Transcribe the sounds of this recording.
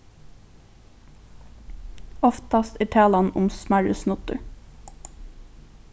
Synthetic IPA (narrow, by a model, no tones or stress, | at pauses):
ɔft̪ɑst̪æːʈʰæːlɑnʊmsmæɹʉsnʊt̪ʉ